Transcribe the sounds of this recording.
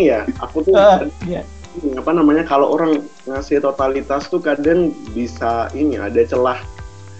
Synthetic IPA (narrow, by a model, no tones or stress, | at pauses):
jaa̰kut̪uja | apanamaɲakaloʔoɾaŋ | ŋasɪht̪ot̪alit̪ast̪ukadaŋbisainḭa̰dat͡ʃəlah